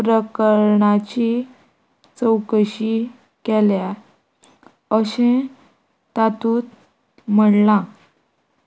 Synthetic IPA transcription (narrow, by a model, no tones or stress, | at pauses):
pɾəkəɾɳat͡ɕi | t͡səwkəɕi | kelja | əɕẽ | t̪at̪uːt̪̚ | m̤əɽlã